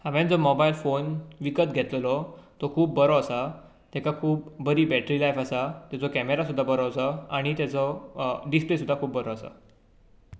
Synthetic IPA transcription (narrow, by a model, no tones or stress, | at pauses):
hãʋɛ̃nd͡zɔmɔbajlfonʋikət̪ɡʱɛt̪llɔt̪ɔkʰuːpbəɾɔasa | t̪ɛkakʰuːp̚bəɾiːbɛʈɾilajfasat̪at͡sɔkæmeɾasud̪ʱːabəɾɔasəaɽ̃it̪jat͡sɔɖisplesud̪ʱːakʰuːpbəɾɔasa̰